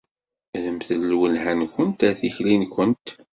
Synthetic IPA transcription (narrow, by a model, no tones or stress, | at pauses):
ləmθəlːwənhænkənt̪æθiçlinkʷənt̪